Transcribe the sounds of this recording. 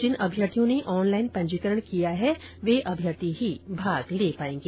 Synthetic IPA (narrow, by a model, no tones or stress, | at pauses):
d͡ʒɪnɐbʱjət̪ijõneʔɔːnlaːɪnpɐ̃ɲd͡ʒikəɾəɽ̃kijaɦɛ | ʋeːʔɐbʱjət̪iɦibʱaːɡleːpaːẽːŋɡe